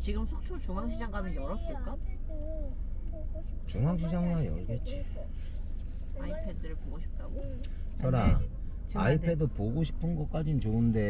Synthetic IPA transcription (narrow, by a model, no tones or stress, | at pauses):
t͡ɕiɡɯmsʰok̚t͡ɕʰot͡ɕuŋaŋɕʰid͡ʑaŋɡanɯnjʌɾʌs͈ɯɭk͈a | t͡ɕuŋaŋɕʰid͡ʑaŋajʌɾɡet̚t͡ɕ͈i | aipʰedɯɾɯɭpoɡoɕʰi̥p̚t͈aɡo | t͡ɕʰʌɾa | t͡ɕaipʰe̞dɯpoɡoɕʰi̥pʰɯnɡʌk͈ad͡ʑint͡ɕoɯnde̞